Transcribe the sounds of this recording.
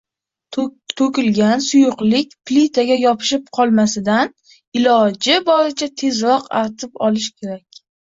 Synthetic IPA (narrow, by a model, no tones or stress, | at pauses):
t̪ʰokʲɪlɡʲansʊjʊqlɪkʲplit̪ʰaɡʲajɒpʰɪ̥ʃɪp̚qʰɒlˠmasɪd̪an | ɪlɒd͡ʒɪbɒɾɪt͡ʃʰat̪ʰe̞zɾɒqa̰ɾt̪ʰɪpɒlɪʃkʲʰe̞ɾakʲ